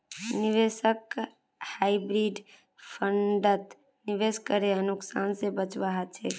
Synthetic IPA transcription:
niʋesək | haibɾiɖ | pʰəɳɖət̪ | niʋeskəɾeənuksaːnsebət͡ʃʋaɦət͡ʃʰḛ

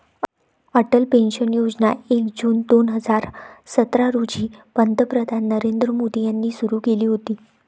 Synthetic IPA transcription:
əʈəlpẽnɕənjod͡znaekd͡ʑuːnd̪onɦəd͡zaɾsət̪ɾaɾud͡ʑiːpənd̪əpɾəd̪ʱanːəɾend̪ɾəmod̪ijanːiːsuɾuːkeliːɦot̪iː

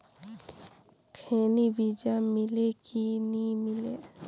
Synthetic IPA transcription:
kʰeːnibid͡ʒamɪlekinĩmɪleː

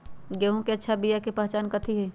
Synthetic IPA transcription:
ɡeɦõkeɐtːʃʰabijakepɐɦt͡ʃaːnkət̪ʰiɦɛ

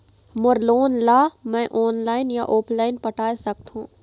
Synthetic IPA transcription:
mʊɾloːnlaːmɛ̃ːʔɔːnlaːɪnjaʔoːplaːɪnpɐʈʰaːesɐk̚t̪ɦũː

